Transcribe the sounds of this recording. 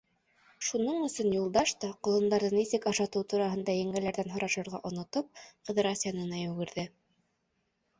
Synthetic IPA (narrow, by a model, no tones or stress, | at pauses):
ʃunɤɴɵ̆sɵnjulˠd̪ɑʃt̪ɑqŏlˠɤ̆nd̪ɑɾðɤnisɘkɑʃɑt̪ɤwt̪uɾɑɦɤ̆nd̪ɑjæŋɡælæɾðænɦŏɾɑʃɤ̆ɾʁɑʔŏnŏt̪ɤp̚qɤ̆ðɤɾasʲjanɤnɑjʉwɡɘ̆ɾðɘ